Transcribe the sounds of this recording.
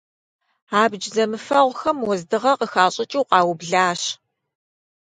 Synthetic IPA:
aːbd͡ʒzɐmɨfɐʁʷxɐmwɔzdɨʁɐqəxaːɕʼɪt͡ʃʼiwqɑːwʊbɮaːɕ

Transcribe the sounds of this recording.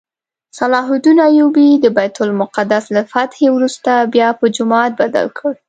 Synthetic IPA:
salɑɦʊd̪inajubid̪əbajt̪ʊlmʊqad̪aslafat̪hewɾust̪abjɑpəd͡ʒʊmɑt̪̚bad̪a̰lkʰəɽ

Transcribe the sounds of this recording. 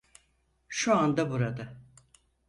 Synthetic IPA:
ʃuand̪abuɾad̪a

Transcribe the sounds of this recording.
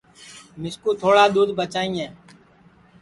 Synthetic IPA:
mɪskuːt̪ʰoːɽaːɗ̪uːd̪bət͡ʃaːĩːɦɛː

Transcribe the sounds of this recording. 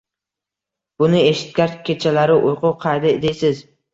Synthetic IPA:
b̥ʊnɪe̞ʃɪ̥t̪̚kʲaɾkʲʰet͡ʃʰalaɾɪʔʊjqʊwqʰɑjd̪ɪd̪ejsɪz

